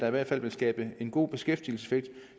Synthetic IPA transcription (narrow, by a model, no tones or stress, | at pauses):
ɑ̈iʋæɐ̰d̥fæl̰ʋe̝lsɡ̥ɛ̰ːb̥əe̝nɡ̥o̝̰ːb̥e̝sɡ̥efd̥il̩sə̥se̝feɡ̥̚d̥